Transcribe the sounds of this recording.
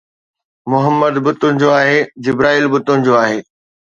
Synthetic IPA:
mʊɦəmːəd̪bʊt̪ʊnɪ̆d͡ʑoaːɦed͡ʑɪbɾaːiːlbʊt̪ʊnɪ̆d͡ʑoaːɦeː

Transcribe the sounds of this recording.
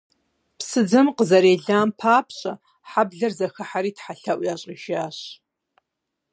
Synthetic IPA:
pʰsɨd͡zɨmqəzaɾeːɮaːmpʰaːpʰɕʼa | ħabɮɐrzɐxɐħaɾiːtħaɬaʔʷjaɕʼiʒaːɕ

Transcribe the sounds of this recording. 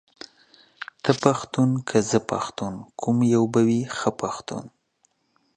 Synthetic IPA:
t̪əpaxt̪unkʰəzəpa̰xt̪unkʰʊmjawbawixəpaxt̪ṵn

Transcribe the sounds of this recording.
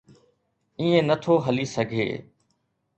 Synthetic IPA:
ĩːẽːnət̪ʰoːɦəliːsəɡʱḛː

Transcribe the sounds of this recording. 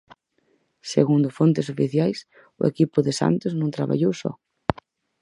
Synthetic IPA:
seɣund̪ʊfont̪ɪsofiθjajs | ʊḛkipʊðɪsa̰nt̪ʊznõŋt̪ɾaβa̰ʎowsɔ̰

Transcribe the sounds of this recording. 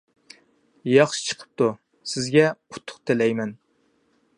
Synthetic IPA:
jɑχʃi̥t͡ʃʰə̥qʰə̥p̚t̪u | sɪzɡʲɛʊt̪ʰːʊ̥qt̪ʰɪlɛjmɛn

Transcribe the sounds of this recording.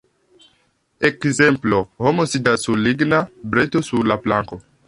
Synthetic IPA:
ekzemplohomosidasuliɡnabɾetosuɾlaplaŋko̞

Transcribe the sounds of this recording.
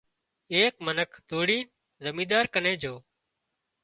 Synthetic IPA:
eːkmənəkʰd̪oːɽiː | zəmĩːd̪aːɾkənẽːd͡ʒoː

